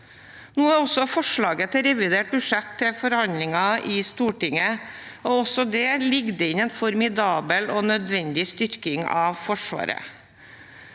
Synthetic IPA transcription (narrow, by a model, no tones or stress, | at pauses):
nuːæɾɔsɔfɔʂɭɑːɡət̪ʰɪɾɛʋɪd̪eːʈ̚bʉʂɛt̪ʰːɪlfɔɾhɑnd̪lɪŋɑɪst̪uːʈɪŋəɔɔsɔd̪ɛlɪɡd̪əɪnɛnfɔɾmɪd̪ɑːbəlɔnœd̪ʋɛnd̪ɪst̪ʏɾkɪŋɑ̰ːʋfɔʂʋɑ̰ːɾə̰